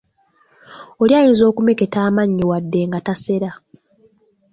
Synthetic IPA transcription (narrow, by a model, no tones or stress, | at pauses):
oljaːjiːnzo̞ːkumeketaːmaɲːiwadːe̞ŋɡatase̞ɾa